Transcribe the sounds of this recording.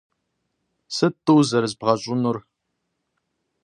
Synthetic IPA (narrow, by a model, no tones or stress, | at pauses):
sɨtʼːuwzɐɾzbʁɐɕʷʼʊnʊr